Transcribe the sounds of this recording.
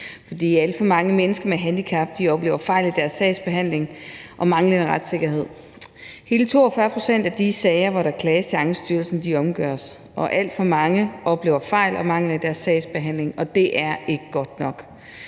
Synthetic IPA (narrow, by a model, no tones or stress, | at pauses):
fɒ̽d̥ḭːælfɒ̽mɑ̈ŋəmenəsɡ̥ɐmeɦænd̥ikʰɑb̥̚d̥iɒ̽b̥le̝ːʊɐfɑ̈ɪ̰lid̥æɐsːɛɪsb̥e̝ɦæn̰le̝ŋʔɒ̽mɑ̈ŋləeʁad̥se̝ɡ̥ɐɦe̝ð̞̰ˠ | he̝ːlət͡sʰo̝̰ːɒfɶɐpʰʁo̝sen̰d̥æd̥isɛɪɐʋɒɾ̥ɑkʰlɛːst͡sʰe̝ɑ̈ŋsd̥yɐlsn̩d̥iɒ̽mɡ̥ɶɐ̰s | ʔɒ̽ʔæl̰d̥fɒ̽mɑ̈ŋəʔɒ̽b̥le̝̰ːʊɐfɑ̈ɪ̰lɒ̽mɑ̈ŋ̰lɐid̥æɐsːɛɪsb̥e̝ɦæn̰le̝ŋɒ̽d̥e̝ʔæɐe̝ɡ̥əɡ̥ɒ̽d̥nɒ̽ɡ̥